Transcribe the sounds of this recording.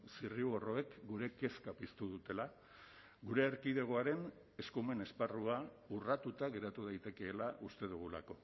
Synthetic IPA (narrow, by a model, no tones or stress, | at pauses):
siriuɣo̞ro̞e̞kɡuɾe̞ke̞skapist̪uð̞ut̪e̞la | ɣuɾe̞ːɾkiðe̞ɣ̞oaɾe̞n | e̞skume̞ne̞sparua | urat̪ut̪aɣe̞ɾat̪uð̞ajt̪e̞ke̞ːlaʔust̪e̞ð̞uɣ̞ula̰ko̞